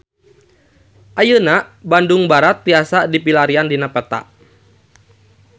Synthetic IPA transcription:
ʔajənabanduŋbaɾat̪̚ːiasadipilaɾiandinapɛt̪a̰ʔ

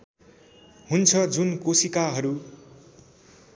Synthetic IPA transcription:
ɦunt͡sʰʌd͡zunkosikaɦʌɾu

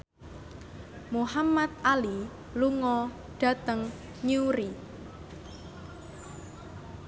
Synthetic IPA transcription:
muhamat̪̚ali | luŋɔ | ɖ̥ä̤t̪əŋ | ɲiuɾi

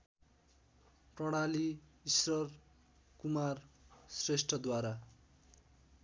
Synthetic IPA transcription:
prʌɽ̃aliisrʌr | kumarsresʈʰʌd̪waɾa

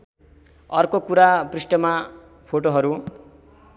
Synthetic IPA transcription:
ʌrkokuɾabrisʈʌma | pʰoʈoɦʌɾu

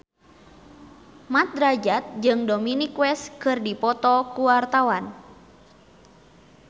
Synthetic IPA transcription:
mat̪̚ɾad͡ʒat̪̚d͡ʒɨŋdominikwɛskɨrdipɔt̪ɔkuwart̪awan

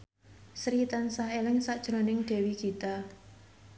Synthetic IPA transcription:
sɾit̪ansaɦelɪŋsaʔd̥ʒ̥ɾo̤nɪŋɖ̪̥ɛ̤wikit̪a

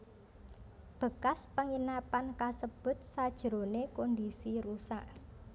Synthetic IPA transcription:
b̥ə̤kaspəŋinapankasəb̥ʊ̤t̪̚sad̥ʒ̥ɾo̤nekondisiɾusaʔ

